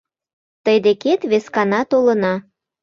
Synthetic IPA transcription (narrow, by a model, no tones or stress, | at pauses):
t̪əjd̪eket̪βeskɑnɑt̪olənɑ